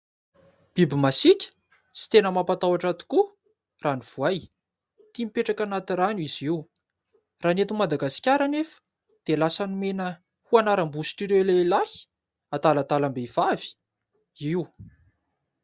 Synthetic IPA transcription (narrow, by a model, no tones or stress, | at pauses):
b̥ibimasikʲə̥ | si̥t̪enəmapat̪awaʈ͡ʂat̪i̥ku | raniv̥uaj | t̪imipeʈ͡ʂakanat̪iraniz̥iw | raːnet̪umad̪aɡasi̥kʲaɾanefə̥ | d̪̥elasanumenə | huanaɾambusi̥ʈ͡ʂiɾewlelahi̥ | at̪alat̪alambeiv̥avi̥ | iw